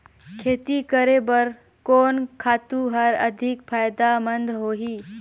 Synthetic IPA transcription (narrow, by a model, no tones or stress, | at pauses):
kʰeːt̪ikəɾebəɾ | kɔːnkʰaːt̪uɦɐɾɐd̪ʱɪkfʰaːjd̪amə̃nd̪ʱɦoːɦiː